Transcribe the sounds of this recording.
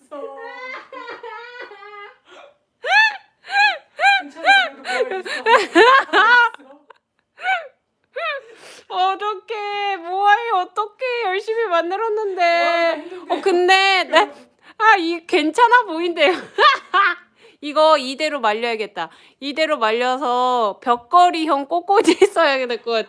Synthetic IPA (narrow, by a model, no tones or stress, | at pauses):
ʌɾʌkʰemoaiʌt͈ʌkʰe̞jʌɭɕ͈imimanːɯɾʌnːɯnde̞ | ʌkɯnde̞ | aikwe̞nt͡ɕʰanapoinde̞jo | iɡʌide̞ɾomaʎːʌeɡe̞t̚t͈a | ide̞ɾomaʎːʌsʰʌpjʌk̚k͈ʌɾiçjʌŋk͈ok͈od͡ʑis͈ʌjaɡenek͈ok͈at